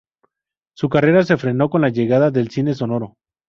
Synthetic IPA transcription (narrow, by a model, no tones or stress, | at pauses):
sukare̞ɾas̬e̞fɾe̞no̞ko̞nlaʝe̞ɣaðaðe̞lsine̞s̬o̞no̞ɾo̞